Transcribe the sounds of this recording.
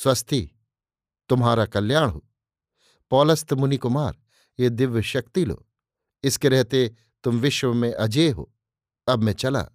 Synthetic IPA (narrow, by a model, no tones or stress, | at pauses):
swɐst̪ʰi | t̪ʊmɦaːɾakɐlːjaːɽ̃ɦoː | pɔːlɐst̪mʊnikʊmaːɾ | jed̪ɪʋjʃɐk̚t̪ilo̰ː | ɪskeɾɛɦt̪e | t̪ʊmʋɪʃwəmẽʔɐd͡ʒeːɦo̰ː | ɐbmɛ̃t͡ʃɐla̰ː